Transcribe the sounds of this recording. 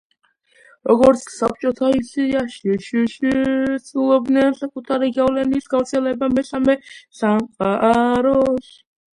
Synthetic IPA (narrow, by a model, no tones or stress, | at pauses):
ɾɔɡɔɾt̪sʰsap̚ʰt͡ʃʼɔt̪ʰaisiaʃiʃiʃisʰʼulˠɔb̚d̪nɛnsakʼut̪ʰaɾiɡavlɛnisɡavɾt̪sʰɛlɛbamɛsamɛsamqʼaʔaɾɔs